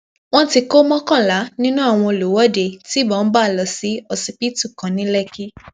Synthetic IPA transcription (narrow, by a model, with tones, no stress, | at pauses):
w̃ɔ̃˦ti˧ko˦mɔ̃˦kã˦˨la˨˦nĩ˦nũ˦a˦˨w̃ɔ̃˧o˨lo˨wɔ˦˨de˧˨ti˦˨bɔ̃˨˦ba˦˨lɔ˨˦si˨˦ɔ˧si˧pi˦tu˦˨kã˨˦nĩ˨˦lɛ˦˨ki˦